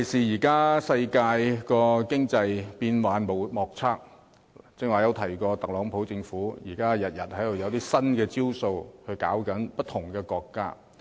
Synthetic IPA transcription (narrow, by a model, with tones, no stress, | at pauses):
kʰe˨˩jsiː˨˩jiː˨˩kaː˥sɐ˧jkaː˧jkɔː˧kɪ˥ŋt͡sɐ˧jpiː˧nwaː˨˧nmo˨˩wmɔː˨˩k̚t͡sʰaː˥k̚ | t͡sɪ˥k̚ŋaː˨˩jɐ˧wt̪ʰɐ˨˩jkɔː˧t̪ɐ˨k̚lɔː˨˥ŋpʰo˨˥wt͡sɪ˧ŋfuː˨˥jiː˨˩kaː˥jɐ˨t̚jɐ˨t̚hɐ˨˥jd̪o˨wjɐ˨˧wt̪iː˥sɐ˥nkɛː˧t͡siː˥wso˧whɵ˧ɥka̰ː˨˥wkɐ˨˥npɐ˥t̪̚ʰʊ˨˩ŋkɛː˧kɔː˧kːa̰ː˥